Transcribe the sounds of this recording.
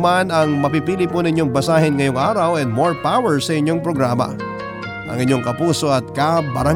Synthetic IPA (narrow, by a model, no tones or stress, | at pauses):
manɐŋmɐpipiːlɪponɪɲoŋbɐsaːhɪnŋɐjoŋʔaːɾɐwɛnd̪̚moɹpawɛɹsɐɪɲːo̞ŋpɾo̞ɡɾaːmɐ̰ | ʔɐ̰ŋɪɲːo̞ŋkɐpuːso̞ɐt̪̚kɐbɐɾɐ